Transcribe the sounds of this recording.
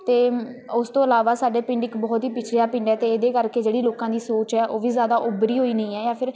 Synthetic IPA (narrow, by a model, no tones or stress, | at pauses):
t̪eːʊst̪õːəɪlaːʋaːsaːɖeːpɪ̃ɳɖɪkbɔːt̪ɦiːpɪt͡ʃʰɾjaːpɪ̃ɳɖɛːt̪eːed̪eːkəɾkeːd͡ʒeːɽiːloːkãːd̪iːsoːt͡ʃɛːʔoːʋiːzjaːd̪aːʔʊbɾiːɦoːiːnəĩːɛːjaːpʰɪɾ